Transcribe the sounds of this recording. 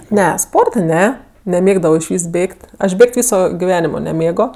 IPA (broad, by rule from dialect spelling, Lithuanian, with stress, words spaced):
ˈnʲɛ ˈspoːrtɐ ˈnʲɛ nʲɛˈmʲeːɡdɐʋoː ɪʃʲˈʋʲiːs ˈbʲeːkʲtʲ ˈɐʃ ˈbʲeːkʲtʲ ˈʋʲiːsoː ɡʲɪˈʋʲæːnʲɪmoː nʲɛˈmʲeːɡoː